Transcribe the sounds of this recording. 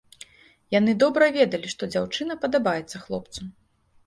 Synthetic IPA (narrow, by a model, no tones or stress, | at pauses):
janɨd̪ɔbɾɐvʲɛd̪ɐlʲiʂt̪ɔd͡zʲawt͡ʂɨnɐpɐd̪abajɛt̪sːɐxlˠɔp̚t̪su